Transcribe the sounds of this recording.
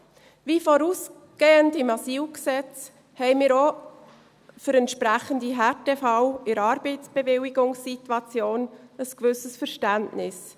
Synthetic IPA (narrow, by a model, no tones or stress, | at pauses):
viːfɔɾuːs | ɡ̥eːəndɪmɑsiːlksɛt͡s | hɛɪmɪːɾo | fʏɾɛntʃpɾɛχəndiɦɛtɛfɑwɪɾɑːɾbɛɪt͡sb̥evɪliɡʊŋsːitwɑt͡sjoːnəskvʏsəsfəɾʃtæntnɪs